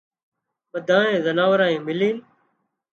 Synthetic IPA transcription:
ʋəd̪ʱãːẽːzənaːʋɾãːẽːmɪliːn

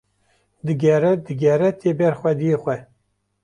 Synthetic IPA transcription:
d̪ɨɡɛɾɛd̪ɨɡʲɛɾɛt̪ʰebɛɾxʷɛd̪ijexʷɛ

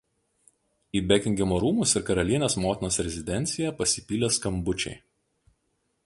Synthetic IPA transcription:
iːbʲɛkʲɪŋʲɡʲɛmoːɾuːmʊsɪɾkɐɾɐlʲiɛnʲeːsmoːt̪ʲɪnoːsɾʲɛzʲɪd̪ʲɛnʲt̪sʲɪjɛpɐsʲɪpʲiːlʲeskɐmbʊt͡ʃʲɛ̰ɪ

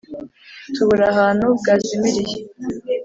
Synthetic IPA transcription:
tʰuβuɾaɦaːnhubɡazimiɾije

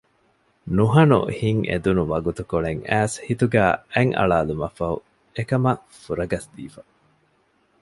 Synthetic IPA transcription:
nuɦɐnṵhiŋḛd̪unuʋɐɡut̪ukoɭeŋæːshit̪uɡæːæŋʔɐ̰ɭaːlumɐfɐṵ | ekɐmɐ | fuɾɐɡɐsd̪ḭːfɐ

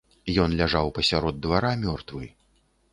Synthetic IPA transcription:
jɔnlʲaʐawpɐsʲaɾɔd̪ːvaɾamʲɔrt̪vɨ

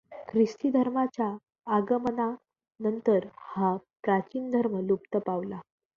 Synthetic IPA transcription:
kʰɾist̪id̪ʱəɾmat͡ɕjaː | ɡəməna | nənt̪əɾhapɾat͡ɕiːnd̪ʱəɾməlupt̪əpaʋla

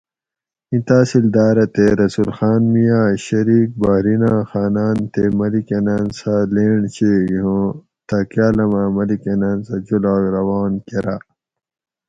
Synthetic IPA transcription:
ĩt̪aːsild̪aːɾɐt̪eɾɐsulxaːnmijaːɕɐɾiːk̚baːɾinaːxaːnaːnt̪emɐlikɐnaːnsaleːɳt͡ɕeɡiɦõ | t̪ɐkjaːlɐmaːmɐlikɐnaːnsɐd͡ʑulaːɡɾɐwaːnkeɾaː

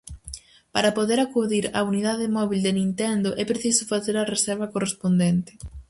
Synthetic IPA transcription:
paɾɐpoðeɾakuðiɾa̰uniðaðɪmɔβild̪enĩnt̪ɛnd̪ʊʔɛpɾeθisʊfaθeɾɐresɛɾβɐkorespond̪ɛnt̪ɪ̥

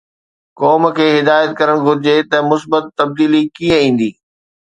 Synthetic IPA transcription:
kɔːmkʰeːɦɪd̪aːjət̪̚kɐɾəɽ̃ɡʱʊɾɪd͡ʑet̪ɐmʊsbət̪ːɐb̚d̪iːlikiə̃ĩːn̆d̪iː

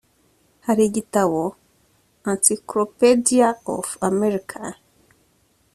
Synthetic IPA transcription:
haɾiɟitaβo | ansiklopediao̰fameɾikʰa

